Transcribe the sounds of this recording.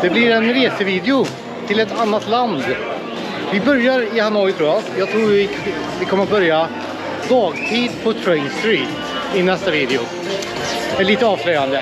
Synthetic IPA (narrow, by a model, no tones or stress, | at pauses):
d̪̥ɛblɪɾɛnɾeːsəviːd̪ɛʊ | t̪ʰɪlɛt̪ʰanːat̪land̪ | vɪbœɾjaɾɪhanɔʏt̪ɾuːjajɑːt̪ʰɾuːɾɪ | vɪkʰɔmət̪̚bœɾja | d̪ɑːɡt̪ʰiːd̪pʰɔt̪ʰɾɛɪnst̪ɾiːt̪ | ɪnɛst̪aviːd̪ɛʊ̰ | ɛɭiːt̪əɑːvslœjand̪ə